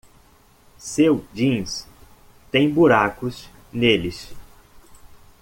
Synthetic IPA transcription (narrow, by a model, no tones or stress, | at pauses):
sewd͡ʒĩs | t̪ẽj̃buɾakʊs | nelɪs